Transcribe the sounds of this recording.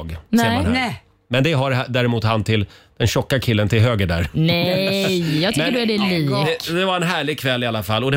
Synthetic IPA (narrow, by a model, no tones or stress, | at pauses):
ɡɛha | mɛnd̪ɛɦaɾad̪æːɾɛmuːt̪hant̪ʰɪld̪̥ɛnɕɔkːakʰɪlːənt̪ʰɪlɦøːɡəɖæ̰ɾnɛjjɑːɡt̪ʰːədæɖɛliːd̪d̪ɛvaɾɛnɦæːɭɪɡ̚kʰvɛlːɪalːafalːɔd̪ɛ